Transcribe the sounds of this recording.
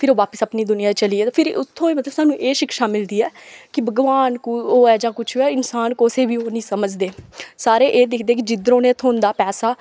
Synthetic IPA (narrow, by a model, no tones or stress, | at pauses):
pʰɪɾoːʋaːpəsəpniːd̪ʊnɪjãːt͡ʃəliːeːt̪aːpʰɪɾʊt̪ʰːõːiːmət̪ləbsaːnũːʔeːʃɪkʃaːmɪld̪iːɛːkɪbəɡʋaːnkʊoːɛːd͡ʒãːkʊt͡ʃʰoɛːɪnsaːnkoːseːʋiːoːnĩːsəməd͡ʒd̪eːsaːɾeːʔeːd̪eːkʰd̪eːk̬ɪd͡ʒɪd̪ɾõːneːt̪ʰoːnd̪aːpɛːsaː